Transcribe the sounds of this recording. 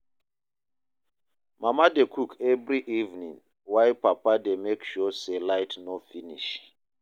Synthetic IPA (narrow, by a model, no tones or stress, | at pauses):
mʔamadekʰukʰɛvɹiʔivnḭ̃ŋ | wajpapademekʃɔselajtnɔfiniʃ